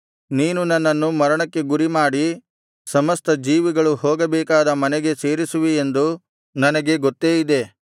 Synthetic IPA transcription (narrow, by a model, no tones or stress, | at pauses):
niːnunɐnːɐnːumɐɾɐɳɐkːe̞ɡuɾimaːɽi | sɐmɐst̪ɐd͡ʒiːʋiɡɐɭuɦoːɡɐbɛːkaːd̪ɐmɐnɛɡe̞se̞ːɾisuʋiend̪u | nɐnɐɡe̞ɡɔt̪ːe̞ːjid̪e̞